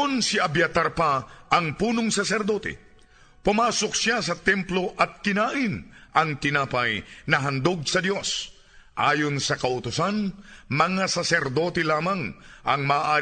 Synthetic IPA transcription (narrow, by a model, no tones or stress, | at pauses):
onsiʔɐbjat̪aɾpaʔɐŋpuːnoŋsɐsɛɾd̪o̞t̪ɛ̰ | pʊmaːsok̚sjas̬ɐt̪ɛmplo̞ʔɐt̪̚kɪnaːʔɪnʔɐŋt̪ɪnaːpɐjnɐɦɐnd̪oɡsɐd̪jo̞s | ʔaːjonsɐkɐʔʊt̪ʊsanmɐŋasɐsɛɾd̪o̞ːt̪ɛlaːmɐŋʔɐ̰ŋmaːʔaː